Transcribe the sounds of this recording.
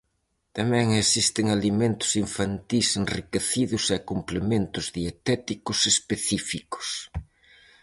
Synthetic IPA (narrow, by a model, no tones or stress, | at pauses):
t̪amɛ̃ŋesist̪ɪŋalimẽnt̪ʊ̥siɱfant̪isenrikeθiðʊsɛkumplemẽnt̪ʊzðiet̪ɛt̪ikʊsespeθifikʊ̥s